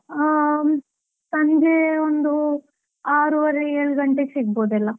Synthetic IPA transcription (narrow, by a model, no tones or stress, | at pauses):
sɐnd͡ʒeond̪u | aːɾuʋɐɾeeːɭɡɐɳʈeɡsiɡ̚boːd̪ɛlːɐ